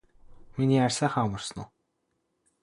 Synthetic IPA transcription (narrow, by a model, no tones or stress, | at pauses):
miniːærʲsaːχamə̆rsno̰